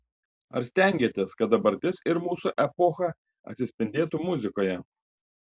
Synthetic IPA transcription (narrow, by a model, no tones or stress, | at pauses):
ɐ̰ɾsʲt̪ʲɛˑŋʲɡʲeːt̪ʲeːskɐt̪̚d̪ɐbɐɾʲt̪ʲɪsɪɾmuːsuʔɛpɔxɐ | ɐ̰t̪ʲsʲɪsʲpʲɪnʲd̪ʲeːt̪umʊzʲɪkoːjɛ